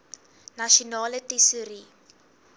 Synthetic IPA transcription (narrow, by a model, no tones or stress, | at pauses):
naʃonalətisəɾi